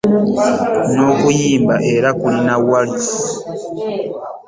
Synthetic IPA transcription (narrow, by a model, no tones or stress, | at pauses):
nokujimbaʔeɾakulinawalis